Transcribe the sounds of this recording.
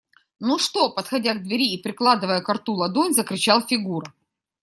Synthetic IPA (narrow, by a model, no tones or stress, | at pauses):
nuʂt̪o̞pɐt̪xɐdʲaɡ̚d̪vʲɪɾʲiːpɾʲɪklˠad̪ɨvəjəkɐrt̪ulˠɐd̪onʲzəkɾʲɪt͡ɕalˠfʲɪɡuɾʊ